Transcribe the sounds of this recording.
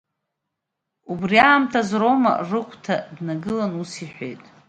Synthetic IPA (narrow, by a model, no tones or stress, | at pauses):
ubriaːmtʰazro̞ma̰rɨkʷʼʰtʰadnaɡɨlanusiħʷᶣe̞̰jtʼ